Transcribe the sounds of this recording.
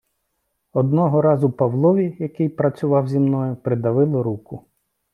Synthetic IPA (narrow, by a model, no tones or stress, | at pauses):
ɔd̪nɔɦɔɾɑzʊpɐʋlˠɔʋʲijɐkɪjpɾɐt͡sʲʊʋɑwzʲimnɔjʊpɾɪd̪ɐʋɪlˠɔɾukʊ